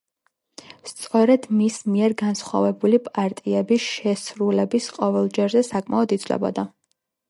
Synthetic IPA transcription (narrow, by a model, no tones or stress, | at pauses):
st̪sʼɔɾɛd̪̥mismiɛɾɡansχwa̰vɛbulipʼaɾt̪ʼiɛbisʃɛsɾulɛbisqʼɔvɛlˠd͡ʒɛɾzɛsakʼmaɔd̪it̪sʰwlɛ̰bɔ̰d̪a